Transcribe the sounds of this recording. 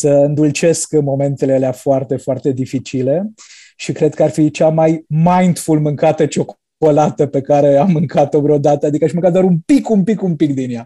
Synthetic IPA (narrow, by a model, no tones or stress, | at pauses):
səɨnd̪ult͡ʃe̞skmo̞me̞nt̪e̞leleafoart̪e̞foart̪e̞d̪ifit͡ʃile̞ | ʃikɾe̞d̪̚kəarfit͡ʃamajmajnd̪fulmɨŋkat̪ət͡ʃo̞k | olat̪əpe̞kaɾe̞amːɨŋkat̪obɾeod̪at̪əad̪ikəaʃmɨŋkat̪d̪waɾumpikumpikumpikd̪inja